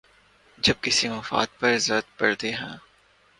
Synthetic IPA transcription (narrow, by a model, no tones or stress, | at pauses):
d͡ʒɐb̚kɪsimɐfa̰ːd̪̚pɐɾɪzət̪pɐɽd̪eɦɛ̃ː